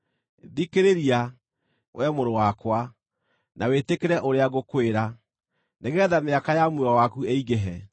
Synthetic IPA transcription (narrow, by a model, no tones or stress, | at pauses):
ðikeɾeɾia | wʔɛmoɾowakwa | nʔawetekeɾɛʔoɾeaɣokweɾa | neɣɛːðameakajamwewawakueiɣeɦɛ